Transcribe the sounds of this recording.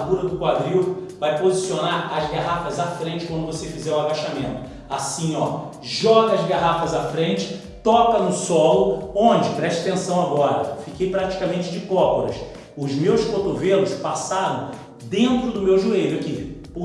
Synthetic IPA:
ɡuɾɐd̪ʊkwad̪ɾi | vajpozisionaɾɐzɡaɦafɐzafɾẽnt͡ʃɪkwɐ̃nd̪ʊvosefizɛɾwabaʃamẽnt̪ʊ | asĩɔ | ʒɔɡɐɐzɡaɦafɐzafɾẽnt͡ʃɪ̥ | t̪ɔkɐnʊsɔlʊõnd͡ʒɪpɾɛʃt͡ʃɐ̥t̪ẽsɐ̃w̃aɡɔɾɐ̰fikejpɾat͡ʃi̥kamẽnt͡ʃɪd͡ʒɪkɔpoɾɐ̰s | ʊzmewskot̪ovelʊspasaɾɐ̃w̃ | d̪ẽnt̪ɾʊd̪ʊmewʒuejʎʊakipo

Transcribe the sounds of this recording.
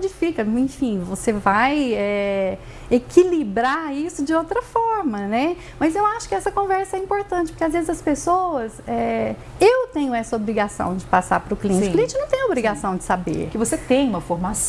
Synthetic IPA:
d͡ʒɪfikɐẽfĩvosevajɛ | ekʰilibɾaɾisʊd͡ʒɪowt̪ɾɐfɔɾmɐnɛ | mɐzewaʃʊ̥kɪɛsɐkõvɛɾsɐɛĩpoɾt̪ɐ̃t͡ʃɪpoɾkeazvezɪzɐspesowɐsɛ | ewt̪ẽɲʊɛsɐobɾiɡasɐ̰̃w̃d͡ʒɪpasa̰ɾpɾʊkliẽt͡ʃt͡ʃliẽnt͡ʃɪnɐ̃w̃t̪ẽj̃obɾiɡasɐ̃w̃d͡ʒɪ̥sabḛɾkɪvoset̪ẽj̃ũmɐfoɾmas

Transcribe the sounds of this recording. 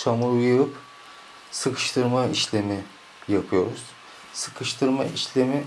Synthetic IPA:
sʰamuɾujuɯp | sɯkʰɯ̥ʃt̪ʰɯɾmaiʃlʲemi | japʰɯjo̞ɾuz̥ | sɯ̥kʰɯʃt̪ʰɯɾmaiʃlʲemi

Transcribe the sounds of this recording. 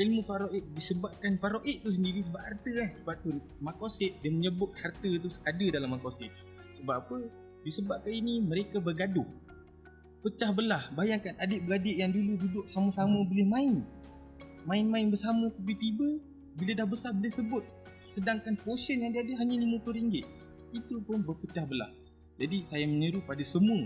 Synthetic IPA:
ʔilmufaɾoʔɪt̪̚disəbap̚kanfaɾoʔɪʔ̪t̪us̬əndiɾis̬əbap̚hart̪əahsəbap̚t̪un | makosɪt̪̚diməɲəbʊt̪̚hart̪ət̪̬usadədalamːakosɪt̪̚ | səbapːapə | disəbap̚kaniniməɾekabərɡadʊh | pət͡ʃahbəlahbajaŋkanadɪʔ̚bəɡadɪʔjaŋduludidʊʔ̚saməsamə̃bolɪhmãɪn | mãɪnmãɪnbərsaməkəbit̪ibə | bilədahbəsarbolɪhsəbʊt̪̚ | sədaŋkanposənjaŋdiadəɦaɲaliməplʊɾiŋɡɪt̪̚ | it̪upʊnbərpət͡ʃahbəla̰h | d͡ʒadisajaməɲəɾupadasəmũə

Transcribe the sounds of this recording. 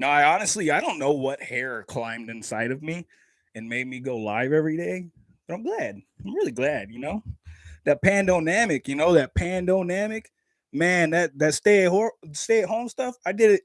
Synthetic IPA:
noʊaɪɑnɨstˡliaɪɾõʊ̃nːoʊwʌt̚hɛɹkʰl̥ãɪ̃mdɨ̃nsaɪɾʌvmi | ɨ̃nmeɪd̚miɡoʊla̰ɪvɛvɹideɪ | b̥ʌɾãɪ̃mɡlæd̥̚ãɪ̃mɹɪlˠiɡlæd̥̚jɨnoʊðɨt̚pʰæ̃ndoʊnæmɨkjɨnoʊðɨt̚pʰæ̃ndoʊnæmɨk | mæ̃nðɨt̚ðɨtsteɪɨt̚hosteɪɨt̚ɦõʊ̃mstʌfaɪdɨɾɪt̚

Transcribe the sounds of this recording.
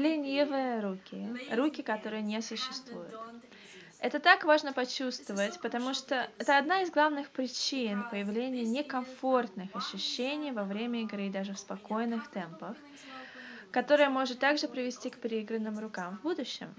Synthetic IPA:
lʲɪnʲivɨjəɾukʲɪrukʲɪkɐt̪o̞ɾɨjənʲesʊɕːɪst̪vujʊ̰t̪ | ɛt̪ət̪akvaʐnəpɐt͡ɕust̪vəvətʲpət̪ɐmuʂt̪oɛt̪əɐd̪naɪzɡlˠavnɨxpɾʲɪt͡ɕinpəjɪvlʲenʲɪjənʲɪkɐmfo̞rt̪nɨxɐɕːʉɕːenʲɪjvɐvɾʲemʲəɪɡɾɨd̪aʐɨfspɐko̞jnɨxt̪ɛmpəx | kɐt̪o̞ɾɨjəmo̞ʐɨt̪ːaɡʐɨpɾʲɪvʲɪsʲtʲikpʲɪɾʲɪiɡɾənːɨmɾʊkamvbud̪ʊɕːɪ̰m

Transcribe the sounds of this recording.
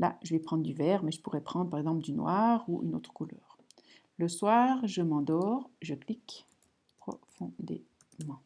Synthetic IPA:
la̰ʒəvɛpχɑ̃d̪ʁd̪yvɛːʁmɛʒəpuʁɛpχɑ̃d̪ʁəpaʁɛɡzɑ̃pld̪ynwaːʁuʔy̰no̰ːt̪χə̥kulœ̰ːʁ | ləswaːʁʒəmɑ̃d̪ɔʁʒəklik | pχɔ̰fɔ̃d̪ḛ | mɑ̃

